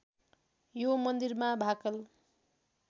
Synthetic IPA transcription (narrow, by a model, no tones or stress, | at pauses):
jomʌnd̪irmabʱakʌl